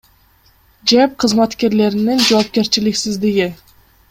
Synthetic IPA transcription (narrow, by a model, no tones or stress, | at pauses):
d͡ʒæp̚qʰɨzmat̪kʲe̞ɾle̞ɾɪnind͡ʒowːp̚kʲe̞ɾt͡ʃilɪksɪzd̪iɡʲɪ